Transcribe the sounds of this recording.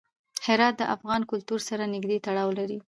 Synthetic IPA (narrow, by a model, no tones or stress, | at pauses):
hɪɾɑt̪̚d̪əʔafɣɑnkʊlt̪uɾsaɾanɪɡd̪et̪aɽɑwlaɾi